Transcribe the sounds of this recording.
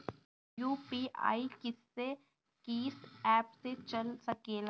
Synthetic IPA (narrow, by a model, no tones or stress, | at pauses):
juːpia̰ːikɪsːe | kiːsɛːpset͡ʃɐlsɐkeːlaː